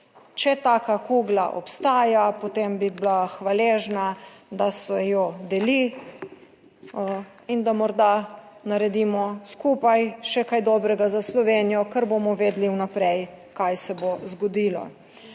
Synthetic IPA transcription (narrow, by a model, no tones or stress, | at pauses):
t͡ʃɛt̪aːkakuːɡlaʔɔ̰pst̪aːjapot̪embiblaxʋaleːʒnad̪asɛjɔd̪ɛli | ind̪amɔɾd̪a | naɾɛd̪iːmɔskuːpajʃɛkajd̪ɔːbɾɛɡazaslɔʋenijɔkəɾbomɔʋeːd̪liwnapɾɛjkajsɛbozɡɔd̪iːlɔ̰